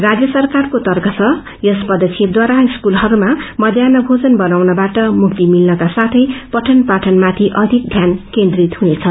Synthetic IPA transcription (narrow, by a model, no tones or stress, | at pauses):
rad͡zjʌsʌrkarkot̪ʌrkʌt͡sʰʌ | jʌspʌd̪ʌsʰib̚d̪waɾaiskulɦʌɾumamʌd̪ʱjanʌbʱod͡zʌnbʌnawnʌbaʈʌmukt̪imilnʌkasat̪ʰʌjpʌʈʰʌnpaʈʰʌnmat̪ʰiʔʌd̪ʱik̚d̪ʱjankend̪rit̪ɦunet͡sʰʌ